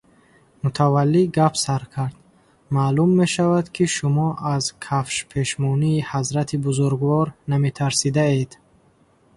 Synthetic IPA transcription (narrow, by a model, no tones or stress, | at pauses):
mut̪ʰavalːiɡapʰsaɾkʰaɾd̪̥ | malumːe̞ʃavad̪kʰiʃumɔʔazkʰafʃpʰe̞ʃmɔniːhazɾat̪ʰibuzuɾɡvɔɾname̞t̪ʰaɾsid̪ae̞d̪